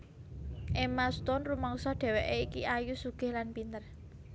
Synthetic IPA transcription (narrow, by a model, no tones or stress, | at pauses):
ʔemast̪ɔnrumɔŋsɔɖ̪̥ɛ̤wɛʔeikiajusuɡ̥ɪ̤hlanpint̪ər